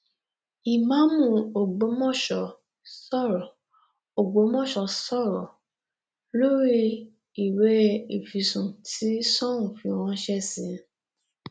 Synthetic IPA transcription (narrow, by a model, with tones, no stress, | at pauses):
i˨mã˨˦mũ˦˨o˨ɡ͡bo˨˦mɔ̃˦˨ʃɔ˨ | sɔ˦˨ɾɔ˨ | o˨ɡ͡bo˨˦mɔ̃˦˨ʃɔ˧sɔ˦˨ɾɔ˨ | lo˦ɾi˦ | i˨we˨˦i˨fi˧˦sũ˨tʰi˦sɔ̃˦ũ˨fĩ˨˧˦w̃ɔ̃˧˦ʃɛ˦˨sĩ˨˦